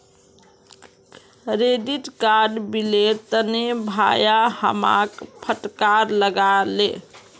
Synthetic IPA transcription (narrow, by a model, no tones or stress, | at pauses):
ɾeɖiʈkaɖbilet̪ənebʱa̰jahə̰ma̰kpʰəʈkaɾləɡalḛ